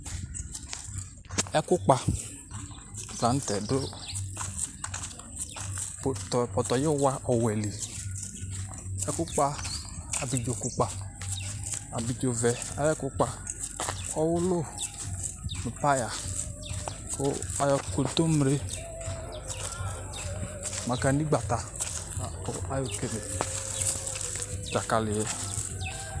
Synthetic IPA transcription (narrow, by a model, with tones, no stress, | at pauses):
ɛ˦kʊ˦k͡pa˨˦ | da˨n̩˦tɛ˨dʊ˦˨ | tpɔ˨tɔ˨jɪ˦wa˦ʔɔ˨wɛ˨li˨ | ɛ˦kʊ˦k͡pa˦a˨bi˨d͡ʒo˨ku˦k͡pa˨ | a˨bi˨d͡ʒo˨vɛ˨a̰˨jɛ˦kʊ˦k͡pa˨ | ɔ˦wʊ˦lo˦ | mi˨pa˦ja˨ | ko̰˦a˨˦jɔ˨ko˨to˦m˨ɾe˦ | ma˨ka˨ni˦ɡ͡ba˨ta˨ | kɔ˨a˦jo˦˨ke˦le˨ | d͡ʒa˨ka˨lɪ˨jɛ˦